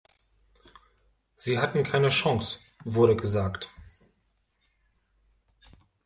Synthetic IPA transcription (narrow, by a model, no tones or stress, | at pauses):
z̥iːɦatn̩kʰaɪnəʃɔŋs | vʊɐɾəɡəzaːkt